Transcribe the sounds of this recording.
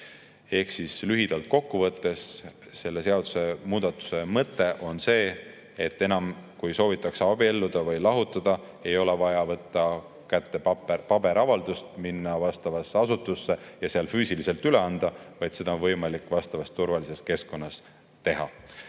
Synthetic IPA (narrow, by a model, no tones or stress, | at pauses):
e̞hksislyɦid̪̥ɑlt̪̚ko̞kːuvɤt̪ːe̞s | se̞lːe̞se̞ɑd̪̥u̥se̞muːd̪̥ɑt̪ːˑu̥se̞mɤt̪ːˑe̞ʔo̞nse̞ː | et̪ːe̞nɑmkujso̞ːvit̪ːˑɑkseɑb̥ielːud̪̥ɑvɤjlɑɦut̪ːˑɑd̪̥ɑ | e̞jo̞levɑjɑvɤt̪ːɑ | kæt̪ːepɑb̥e̞ɾɑvɑld̪̥ust̪minːɑvɑst̪ɑvɑsːeɑsut̪ːˑusːe̞jɑseɑlfyːsilise̞lt̪yle̞ɑnd̪̥ɑvɑjd̪̥se̞d̪ɑonvɤ̞jmɑlikːˑvɑst̪ɑvɑst̪ːurvɑlise̞ske̞sko̞nːɑs | t̪e̞ɦɑ̰